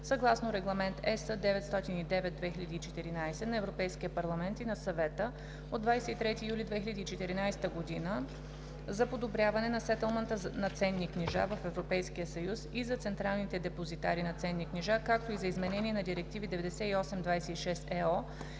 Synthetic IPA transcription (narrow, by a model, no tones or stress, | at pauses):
sɐɡlˠasnoɾɛɡlˠɐmɛnt̪ɛsəd̪ɛvɛt̪st̪ɔt̪inid̪ɛvɛt̪̚d̪vɛxilʲɐd̪iːt͡ʃɛt̪iɾinajsɛnɐɛvɾopɛjskijəpɐɾlˠɐmɛnt̪inɐsɐvɛt̪ə | od̪vajsɛit̪ɾɛt̪iːjulʲid̪vɛxilʲəd̪iːt͡ʃɛt̪iɾinajsɛ̥t̪əɡod̪inə | zɐpod̪obɾʲjavɐnɛnɐsɛt̪ɛlˠmənt̪ənɐt̪sɛnːikniʒa̰vəfɛvɾopɛjskijəsɐjusizɐt̪sɛnt̪ɾalˠnit̪ɛd̪ɛpozit̪a̰ɾinɐt̪sɛnːikniʒakak̚t̪oizɐizmɛnɛniɛnɐd̪iɾɛk̚t̪ivid̪ɛvɛd̪ɛsɛiɔsɛmd̪vajsɛiʃɛst̪ɛɔ